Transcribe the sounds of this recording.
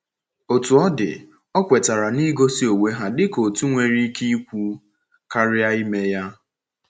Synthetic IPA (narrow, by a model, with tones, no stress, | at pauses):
o˨tu˨ɔ˦dɪ̰˨ | ɔ˦kʷe˨ta˨ɾa˨ni˦ɡo˦si˦o˨we˦ɦa˦dɪ˦ko˨tu˦ŋʷe˨ɾi˦ki˦i˦kʷu˦ | ka˦ɾɪ˦a˦i˦me˦ja˦